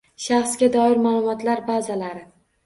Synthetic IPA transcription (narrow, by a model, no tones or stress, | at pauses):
ʃaχsɡʲad̪ɒɪɾmaːlˠʊmɒt̪laɾbazalaɾɪ